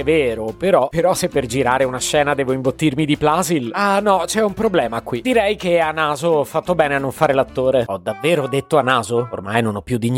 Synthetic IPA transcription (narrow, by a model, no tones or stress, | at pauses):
ɛveːɾopeɾɔpeɾɔsepːerd͡ʒiɾaːɾeunaʃːɛːnad̪ɛːvoiɱbot̪ːirmid̪iplazilanɔt͡ʃɛumpɾoblɛːmakwid̪iɾɛjkeanːaːzoɔfːat̪ːobɛːneanːoɱfaːɾelat̪ːoːɾeɔd̪avːeːɾod̪et̪ːoanːaːzoo̰rmajnonɔpːjud̪iɲː